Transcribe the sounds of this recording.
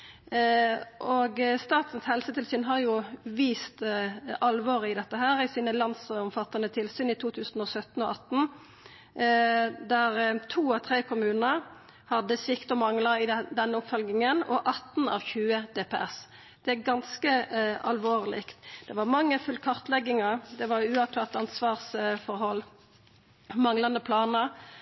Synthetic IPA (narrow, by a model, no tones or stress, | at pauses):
ʔoɡst̪ɑːt̪n̩shɛlsət̪ʰɪlsyːnɦɑɾjʊʋiːst̪ɑlʋoːʁɪd̪ɛt̪ːəɦæːʁɪsiːnəlɑnsɔmfɑt̪ːɑnət̪ʰɪlsyːnɪt̪ʰuːt̪ʰʉːsn̩ɔsœt̪n̩ɔɑt̪n̩ | d̪æʁt̪ʰuːɑt̪ʰʁeːkʰʊmʉːnəʁ | hɑd̪ːəsɪkt̪ɔmɑŋləɪd̪ɛnːəʊpfɔlɡnɪŋənɔ̰ʔɑt̪n̩ɑ̰ːʋçʉːəd̪̥eːpeɛs | d̪̥ɛæɡɑnskəɑlʋoːʁlɪ̰kt̪d̪̥ɛʋɑʁmɑŋːəfʉlkʰɑʁt̪lɛɡːɪŋɑd̪ɛʋɑʉːɑʋt̪ʰɑːʁt̪ɑnsʋɑːʁsfɔɾɦɔlː | mɑŋlɑnd̪əpʰlɑːnəʁ